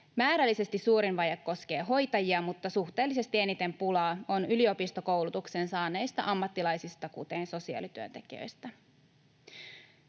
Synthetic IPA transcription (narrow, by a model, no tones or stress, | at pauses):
mæːɾælːise̞st̪isuːɾinʋɑjɑkːo̞sk̟e̞ːɦo̞jt̪ɑjiɑmut̪ːɑsuxt̪e̞ːlːise̞st̪ie̞nit̪e̞mpulɑːo̞nylio̞pist̪oko̞wlut̪uksensɑːne̞jst̪ɑ̰ʔɑmːɑt̪ːilɑjsist̪ɑkut̪e̞nso̞siɑ̰ːlit̪yønt̪e̞k̟iø̰jst̪æ